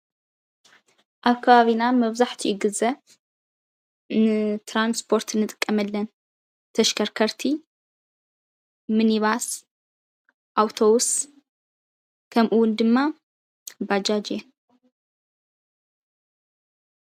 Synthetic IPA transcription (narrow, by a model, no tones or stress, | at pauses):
ʔaβkʰɐβaβinamɐβzaħt̪ʰiʔɪɡɨzɐ | nɨt̪ʰɾanspʰo̞ɾt̪nːɨt̪ʼɨ̥kʼːɐmɐlːɐn | t̪ʰɐʃkʰɐɾkʰɐɾt̪ʰi | mɨniβas | ʔawt̪ʰowʊs | kʰɐmʔuwʊnd̪ɨmːa | bad͡ʒad͡ʒen